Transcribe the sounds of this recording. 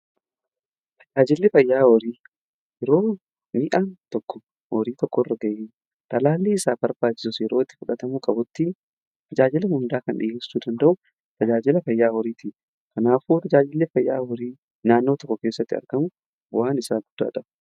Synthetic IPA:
t̪ʰɐ̥d͡ʒaːd͡ʒɪlːɪfɐjːaːwɔɾiː | jɛɾo̞ː | miːʔaːnt̪ɔkːɔ̥ | wɔɾiːt̪ɔkːɔrːɐɡɐjɪ | t̪ɐlaːlːiːɪsaːbɐɾbaːt͡ʃːɪ̥sʊsɛɾoːɪt̪ːɪ̥fʊᶑɐt̪ɐmuːkʼɐbʊt̪ːi | t̪ʰɐd͡ʒaːd͡ʒɪlɐhʊnd̪aːkɐnᶑɪ̰jeːsːuːd̪ɐnd̪ɐʔʊ | t̪ɐd͡ʒaːd͡ʒɪlɐfɐjːaːhɔɾiːt̪ʰiː | kɐnaːfuːt̪ɐd͡ʒaːd͡ʒɪlːɪfɐjːaːhɔɾiː | naːnːoːt̪ɔkːɔke̞ːsːɐt̪ːɪɐ̰ɾɡɐmʊ | wʔaːnɪsaːɡʊd̪̥ːa̰ːᶑɐbʊ̥

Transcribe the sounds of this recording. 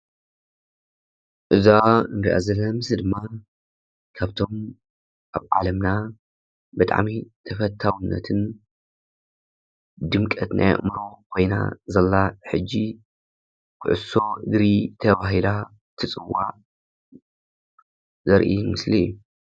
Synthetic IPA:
ʔɨzaɨnɾḭʔa̰zɐlːɐɐmɨsd̪ɨmːa | kʰaβt̪ʰo̞m | ʔa̰βʕa̰lɐmna | bɨt̪ʼa̰ʕmit̪ʰɐfɐt̪ʰːawunːɐ̰t̪ʰɨn | d̪ɨmkʼɐt̪nʔa̰jɐ̰ʔʼmɾokʰo̞jna̰zɐlːaħɨd͡ʒːi | kʰɨʕɨ̰so̞ɨɡɾit̪ʰɐβaɦila | t̪ʰɨt͡sʼɨwːaʕ | zɐɾʔimɨsliḭjːu

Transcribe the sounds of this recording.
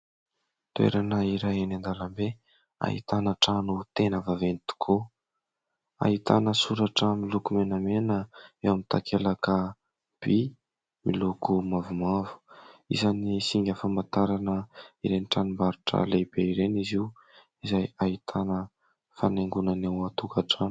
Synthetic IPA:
t̪uḛɾanəiɾajanand̪alambe | a̰ɦḭt̪anəʈ͡ʂanut̪enəvavenit̪u̥kʰu | a̰ɦit̪anəsuɾaʈ͡ʂəmilukumenəmenəewamit̪a̰kʰelakə | b̥i | milukumavumavu̥ḭzanisiŋɡʲafamat̪aɾanəiɾeniʈ͡ʂanimbaɾuʈ͡ʂə̰leb̥eiɾeniziw | izajait̪ʰanə | faneŋɡunanewat̪ukaʈ͡ʂan

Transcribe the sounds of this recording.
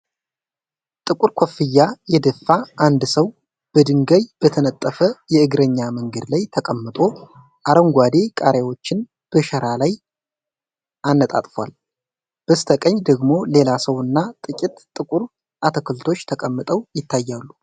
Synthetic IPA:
t̪ʼɨkʼuɾkʷʰofːɨjːajɛd̪əfːaʔand̪səw | b̥əd̪ɨŋɡəjb̥ət̪ʰənət̪ʼːəfəjɛɨɡɾəɲːaməŋɡəd̪lajt̪ʰəkʼəmːɨt̪ʼo̞ | ʔaɾəŋɡʷad̪e̞kʼaɾewo̞t͡ʃːɪn | b̥əʃəɾalaj | ʔanːət̪ʼa̰t̪ʼfwa̰l | b̥əst̪ʰəkʼəɲːd̪əɡmo̞le̞lasəwɨnːat̪ʼɨkʼit̪ʼt̪ʼːɨkʼuɾ | ʔat̪ʰəkʰɨlt̪ʰo̞t͡ʃːt̪ʰəkʼəmːɨt̪ʼəwjɪt̪ʰːajːalːu

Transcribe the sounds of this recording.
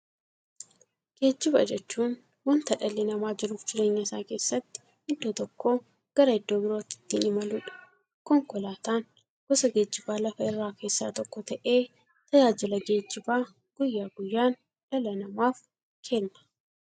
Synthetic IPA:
ɡ̥e̞ːd͡ʒːɪbɐ̰d͡ʒɛt͡ʃːuːn | wɔnt̪ɐᶑɐlːɪnɐmaːd͡ʒɪɾuːfd͡ʒɪɾe̞ːɲːɐɪsaːke̞ːsːɐt̪ːɪ̥ | ɪd̪ːoːt̪ɔkʰːo̞ː | ɡ̥ɐɾɐɪd̪ːo̞ːbɪɾoːt̪ɪ̥t̪ːinɪmɐluːᶑɐ̥ | kɔŋkɔlaːt̪aːn | ɡ̥ɔsɐɡe̞ːd͡ʒːɪbaːlɐfɐɪrːaːke̞ːsːa̰ːt̪ɔkːɔt̪ɐʔe̞ː | t̪ɐjaːd͡ʒɪlɐɡe̞ːd͡ʒːɪbaː | ɡ̥ʊjːaːɡʊjːaːn | ᶑɐlɐnɐmaːf | kʰeːnːɐ̥

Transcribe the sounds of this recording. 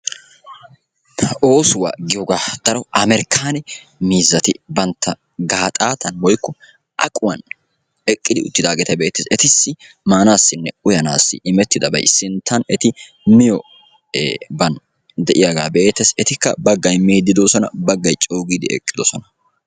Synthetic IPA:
o̞ːsʊwa̰ɡɪjoɡaːd̪̥ɐɾɔʔɐmɛɾkʰːaːnɛmiːzːɐt̪ɪbɐnt̪ʰːɐ | ɡaːt̪ʼaːt̪ʰɐnwɔjkːɔ | ʔɐ̰kʼʊwɐn | ɛkʼːɪd̪ɪʊt̪ːɪd̪aːɡɛt̪ɐbe̞ːt̪ːesɛt̪ɪsːɪ | maːnaːsːɪnːɛʊjɐna̰ːsːɪ̰ʔɪmɛt̪ːɪd̪ɐbɐ̰jsɪnt̪ʰːɐnɛt̪ɪ | mɪjɔ | bɐn | d̪ɛʔɪjaɡaːbeːt̪ːɛsɛt̪ɪkːɐ̰bɐɡːɐjmeːd̪ːɪd̪oːsɔnɐ̰bɐɡːɐjt͡ʃʼo̞ːɡiːd̪ɪɛ̰kʼːɪd̪ɔsɔnɐ̥

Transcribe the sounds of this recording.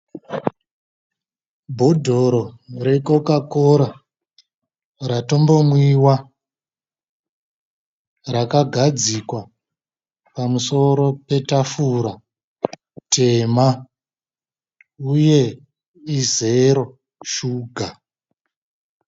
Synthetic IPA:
bʱo̞dʱo̞ɾo̞re̞ko̞kakoɾa | rato̞mbo̞mwiwa | rakaɡʱad͡zikwa | pamuso̞ɾo̞pe̞tafuɾa | tʰe̞ma | uje̞ | ize̞ɾo̞ | ʃuːɡʱa

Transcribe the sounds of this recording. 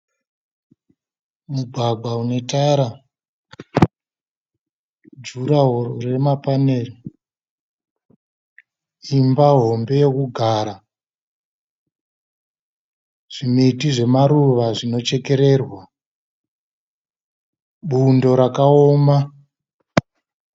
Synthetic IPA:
muɡʱaɡ͡bʱwaune̞taɾa | d͡ʒuɾaremapaneːri | imbaɦo̞mbe̞jokuɡʱaːɾa | ʐ̥imeitiʐe̞maɾuʋaʐino̞t͡ʃe̞ke̞ɾe̞ːrwa | ɓundo̞ɾakaoma

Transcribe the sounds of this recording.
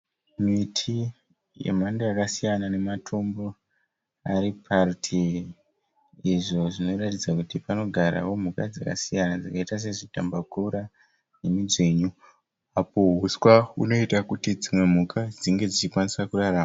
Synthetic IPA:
mitʰi | je̞̰mandeakasijanane̞matʰombo̞ | aɾipʰartʰi | ʐo̞ʐino̞ratid͡zakutipano̞ɡʱaɾa̰wo̞mukad͡zaka̰sijanad͡zakaitas̬e̞ʐitambakuɾa | ne̞mid͡ze̞ɲu | apo̞ɦuswauno̞itakutid͡zimwe̞mukʰad͡ziŋɡe̞d͡zit͡ʃikwanisakuraraːma

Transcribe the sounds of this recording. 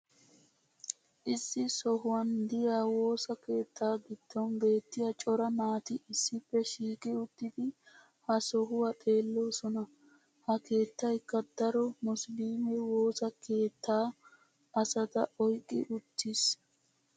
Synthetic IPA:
ʔɪsːɪsɔɦʊwɐnd̪ɪjaːwo̞ːsɐke̞ːt̪ːaːɡɪd̪̥ːɔnbe̞ːt̪ːɪjɐt͡ʃʼɔɾɐmaːt̪ɪɪsːɪpːɛʃiːkʼɪʊt̪ːɪd̪ɪ | hɐsɔɦʊwɐt̪ʼe̞ːlːo̞ːsɔnɐ | hɐke̞ːt̪ːɐjkːɐd̪̥ɐɾɔmʊslimɛwo̞ːsɐkʰe̞ːt̪ʰːaː | ʔɐsɐt̪ɐɔjkʼːɪ̰ʔʊt̪ːɪs

